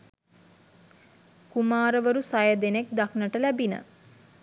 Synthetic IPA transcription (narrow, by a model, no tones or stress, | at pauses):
kumaːɾəʋəɾusajəd̪enek̚d̪aknəʈəlæbinə̰